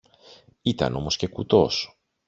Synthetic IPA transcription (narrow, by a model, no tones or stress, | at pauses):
it̪ɐ̰no̞mo̞sce̞kut̪o̞s